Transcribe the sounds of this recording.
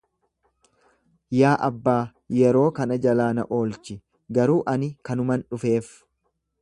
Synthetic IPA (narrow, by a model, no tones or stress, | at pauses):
jaːʔɐbːaː | jɛɾo̞ːkɐnɐd͡ʒɐlaːnɐ̰ʔo̞ːlt͡ʃɪ | ɡɐɾuːʔɐnɪkɐnʊmɐnᶑʊfe̞ːf